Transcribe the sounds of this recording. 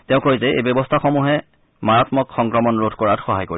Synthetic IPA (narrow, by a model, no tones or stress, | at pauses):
tɛʊ̃kojzɛḛjbɔbɔstʰaxɔmuɦɛ | maɹatmɔkxɔŋkɹɔmɔnɹodʰʱkɔɹatxɔɦajkoɹi